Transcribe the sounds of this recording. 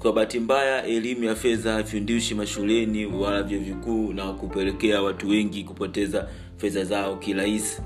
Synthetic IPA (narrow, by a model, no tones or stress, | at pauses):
kwaɓatimbajaʔɛlimujafɛðafundiʃimaʃulɛniwalavjɔvikuːnakupɛlɛkɛawatuwɛŋɡikupɔtɛza | fɛðazaɔkiɾaisi̥